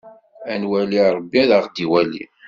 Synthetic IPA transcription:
ænwæliɾˤəbːiðəʁd̪iwælḭ

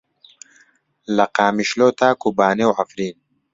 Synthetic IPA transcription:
lɐqaːmiʃloːt̪aːkubaːnewʕafɾiːn

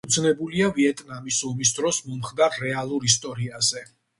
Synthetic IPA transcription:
ud̪sʰnɛbuliaviɛt̪ʼnamisɔmis̬d̪ɾɔsmɔmχd̪aɾːɛalˠuɾist̪ʼɔɾiazɛ

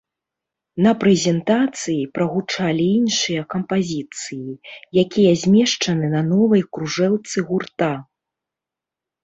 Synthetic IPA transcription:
nɐpɾɛzʲɛnt̪at̪sɨjipɾɐɣut͡ʂalʲiinʂɨjɐkɐmpazʲit̪sɨjijakʲijɐzʲmʲɛʂt͡ʂɐnɨnɐnɔvɐjkɾuʐɛlˠt̪sɨɣurt̪a

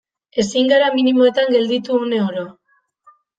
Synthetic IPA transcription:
e̞siŋɡaɾaminimo̞e̞t̪aŋɡe̞ld̪it̪uːne̞oɾo

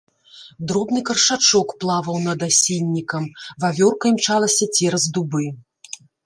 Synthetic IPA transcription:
d̪ɾɔbnɨkɐrʂat͡ʂɔkplˠavɐwnɐd̪asʲilʲːikɐmvavʲɔrkɐimt͡ʂalˠɐsʲɐt͡sʲɛɾɐzd̪ubɨ

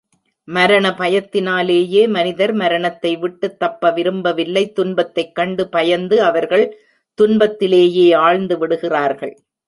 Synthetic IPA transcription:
mɐɾɐɳɐpɐjɐt̪ːɪnaːleːjeːmɐnɪðɐɾmɐɾɐɳɐt̪ːɐɪʋɪʈːɯt̪ːɐpːɐʋɪɾɯmbɐʋɪlːɐɪt̪ːʊnbɐt̪ːɐɪkːɐɳɖɯpɐjɐnd̪ɯɐʋɐɾɣɐɭ | t̪ʊnbɐt̪ːɪleːjeːaːɭnd̪ɯʋɪɽɯɣɪraːɾɣɐɭ

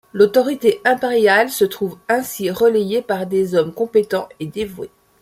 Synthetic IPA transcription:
lot̪ɔʁit̪eʔɛ̃peʁjalsət̪χuvɛ̃siʁəlejepaʁd̪ezɔmkɔ̃pet̪ɑ̃ed̪evwḛ

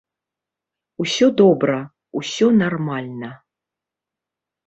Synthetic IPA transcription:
usʲɔd̪ɔbɾɐ | usʲɔnarmalʲnɐ

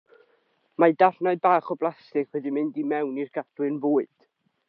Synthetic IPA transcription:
madarnaɨðbaːχɔblˠastɪkʰwɛdimɪndimɛwnirɡ̥adwɨnvoːɨd̥

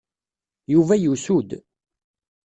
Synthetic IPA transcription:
juvæjusud̪

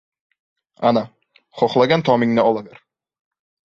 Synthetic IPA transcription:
ana | χoχlˠaɡʲant̪ʰɒmɪŋnɪɒlˠaɡaɾ

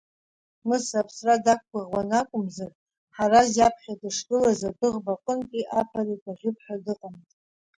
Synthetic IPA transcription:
mɨsapʰsradak̚ʷɡʷaʁwanakʷʼʊmzar | ħarazjapʰχʲadaʂɡɨlazadɨʁbaqʼəntʼiʔapʰaritʼaʁʲʏpʰħᶣadɨqʼantʼ

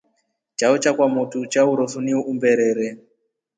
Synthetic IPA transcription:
t͡ʃaɔt͡ʃakwamutut͡ʃauɾɔsuniuʔumbɛɾɛɾɛ

